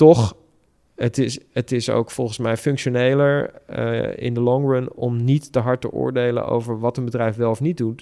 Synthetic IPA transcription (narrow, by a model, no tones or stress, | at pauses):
tɔχ | ətɪsətɪso̰wkfɔlˠχənsmɛjfɵŋkʃonejləɹ̰ | ɪ̰ndəlɔŋɹʊnɔmnitd̥əɦɑɹtə̰ʔʊ̰ːɹdejlə̰no̰wvəɹʋɑtənbədrɛjfʋɛlˠɔfnit̚dut